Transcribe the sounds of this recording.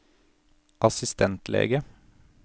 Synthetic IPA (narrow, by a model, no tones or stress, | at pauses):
ʔɑsɪst̪ʰɛnt̪lḛːɡə